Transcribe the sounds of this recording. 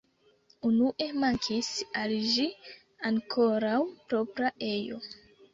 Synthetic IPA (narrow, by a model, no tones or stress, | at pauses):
unuʔe̞maŋkʰisalʒi | aŋkʰo̞ɾawpɾo̞pɾae̞jo̞̰